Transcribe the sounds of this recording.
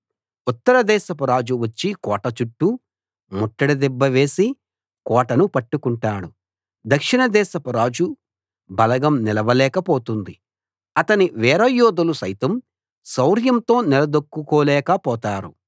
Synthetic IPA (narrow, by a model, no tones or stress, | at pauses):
ut̪ːɐɾɐd̪ɛːʃɐpɐɾaːd͡ʒuʋɐt͡ʃːikɔːʈɐt͡ʃuʈːu | muʈːɐɽɐd̪ɛbːɐʋe̞ːsi | kɔːʈɐnupɐʈːukuɳʈaːɽu | d̪ɐkʂinɐd̪ɛːʃɐpɐɾaːd͡ʒu | bɐlɐɡɐmnilɐʋɐlɛːkɐpoːt̪und̪i | ɐt̪ɐniʋɛːɾɐjɔːd̪ɐlusɐ̰jt̪ɐm | sɐwɾjɐmt̪o̞ːnɛlɐd̪okːukoːlɛːkɐpɔːt̪aːɾu